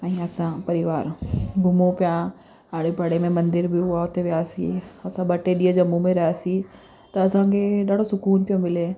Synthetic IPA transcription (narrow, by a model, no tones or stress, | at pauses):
ãĩɐsãpɐɾɪʋaːɾɡʱʊmõpjã | aːɽepɐɽemẽmɐ̃nd̪ɪɾbʱiɦuaot̪eʋjaːsḭɐsãbɐʈeɗied͡ʒɐmːũmẽɾɐjaːsi | t̪ɐɐsãːkeɗaːɽosʊkuːnpjõmɪle